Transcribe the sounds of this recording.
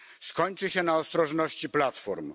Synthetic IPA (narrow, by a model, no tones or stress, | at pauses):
skɔɲt͡ʂɘɕɛnaɔst̪ɾɔʐnɔɕt͡ɕiplat̪fɔɾm